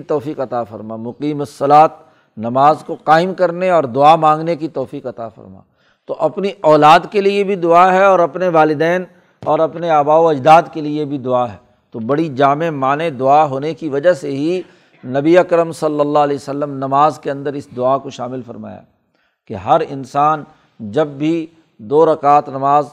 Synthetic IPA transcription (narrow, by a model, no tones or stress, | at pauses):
t̪ɔːfiːqɐt̪afɐ̰ɾmamʊqiːməsːɐlaːt̪̚ | nɐmaːzkoqaːɪmkɐɾneɔːɾd̪ʊamãːŋɡnekit̪ɔːfiːqɐt̪a̰fɐ̰ɾma̰ː | t̪oʔɐpniʔɔːlaːd̪keliebʱid̪ʊaɦɛɔːɾɐpneʋaːlɪd̪ɛːn | ɔːɾɐpneaːbaːoɐd͡ʒd̪aːd̪keliebʱid̪ʊaɦɛː | t̪obɐɽid͡ʒaːmemaːned̪ʊaɦoːnekiʋɐd͡ʒaɦseɦi | nɐbiɐkɾəmsɐlːəlːalɛːsəlːəmnɐmaːzkeɐ̃nd̪əɾɪsd̪ʊakoʃaːmɪlfɐɾma̰ːja̰ː | keɦɐɾɪnsaːn | d͡ʒɐbːʱi | d̪oːɾɐkaːt̪nɐmaːz